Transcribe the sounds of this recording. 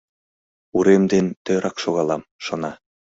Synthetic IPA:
uɾemd̪ent̪ø̆ɾɑkʃoɣɑlˠɑmʃŏnɑ

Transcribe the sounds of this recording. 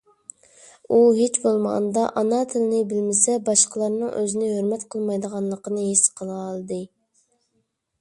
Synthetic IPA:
uɦet͡ʃbolˠmʁɑ̰nd̪ɑʔɑnɑt̪ʰɪlɪnɪbɪlmɪsɛbɑʃqʰəlˠɑɾnɨŋʔøzɪnɪɦøɾmɛt̪qʰəlˠmɑjd̪əʁɑnlˠəqənɨɦesqʰəlˠɑlˠd̪ɨ

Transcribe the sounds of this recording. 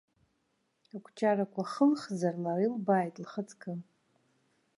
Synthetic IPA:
akʷʰt͡ʃʰʼarakʷʰʼaχəlχzarlarilbajtʼlχət͡sʰʼkʰɨ

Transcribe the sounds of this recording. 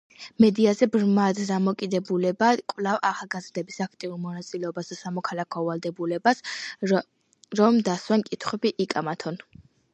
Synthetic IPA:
mɛd̪iazɛbɾmad̪d̪amɔkʼid̪ɛbulɛbakʼvlavaχalˠɡazɾd̪ɛbisakʰt̪ʼiuɾmɔnat̪sʼilɛɔbasd̪asamɔkʰalakʰɔvalˠd̪ɛbulɛbas | ɾɔmd̪aswankʼit̪ʰχwɛbiʔikʼamat̪ʰɔn

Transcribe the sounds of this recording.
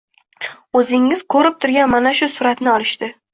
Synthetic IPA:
ɵzɪŋːɪz̥kʰɵɾɪp̚t̪ʰʊɾɡʲanmanaʃʊsʊɾat̪nɪɒlɪʃt̪ɪ

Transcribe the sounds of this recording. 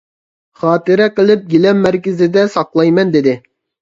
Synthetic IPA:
χɑːt̪ɨɾɛqəlˠɪp̚ɡʲilɛmːæɾkʲɪzɪd̪ɛsɑqlˠɑjmɛnd̪ɪd̪ɪ

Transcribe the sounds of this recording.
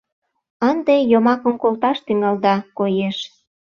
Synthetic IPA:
ənd̪ejomɑkə̆mkolt̪ɑʃt̪yŋɑld̪ɑkojeʃ

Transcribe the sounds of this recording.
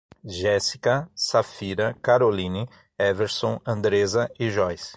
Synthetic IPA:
ʒɛsi̥kɐsafiɾɐkaɾolĩni | ɛveɾsõɐ̃nd̪ɾezɐɪʒɔjs

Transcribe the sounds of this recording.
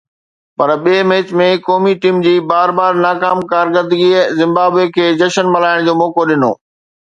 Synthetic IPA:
pɐɾɓiːmeːɪt͡ɕmẽkɔːmiʈiːmd͡ʑiːbaːɾbaːɾnaːkaːmkaːɾɡəd̪əɡizɪ̃mbaːbekʰeːd͡ʑɐʃənmɐlaːɪɽ̃d͡ʑoːmɔːkoɗɪno̰ː

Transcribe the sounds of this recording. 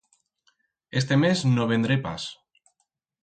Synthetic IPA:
est̪e̞meznoβ̞end̪ɾepa̰s

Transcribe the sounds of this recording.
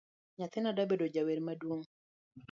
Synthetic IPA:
ɲat̪ɪnadabedod͡ʒaweɾmadwoŋ

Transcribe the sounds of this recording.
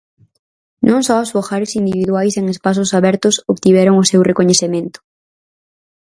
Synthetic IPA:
nʔõŋsɔʊsfoxaɾɪsind̪iβiðwajseŋespas̬ʊsaβɛɾt̪ʊsoβt̪iβɛɾʊŋʊsewrekoɲeθemẽnt̪ʊ̥

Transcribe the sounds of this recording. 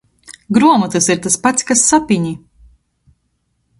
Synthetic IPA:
ɡɾuɔmut̪ɨsiɾt̪aspat̪sʲkasːapiɲi

